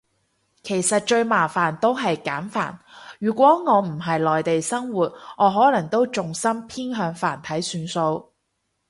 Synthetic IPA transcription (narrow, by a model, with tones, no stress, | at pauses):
kʰe˨˩jsɐ˨t̚t͡ʃɵ˧ɥmaː˨˩faː˨˩nt̪o˥wɦɐ˨jkaː˨˥nfa̰ː˨˩nɥyː˨˩kʷwɔː˨˥ŋɔː˨˧m̩˨˩ɦɐ˨jlɔː˨jt̪e˨jsɐ˥ŋwuː˨t̚ŋʔɔː˨˧ɦɔː˨˥lɐ˨˩ŋt̪o˥wt͡sʊ˨ŋsɐ˥mpʰiː˥nɦœː˨˧ŋfa̰ː˨˩nt̪ʰɐ˨˥jsyː˨˧nso˧w